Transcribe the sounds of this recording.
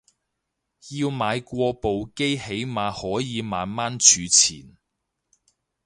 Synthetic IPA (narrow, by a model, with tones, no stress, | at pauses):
jiː˧wmaː˨˧jkʷɔː˧po˨wke˥jhe˨˥jmaː˨˧hɔː˨˥jiː˨˧maː˨nmaː˥nt͡ʃʰyː˨˧t͡sʰḭː˨˩n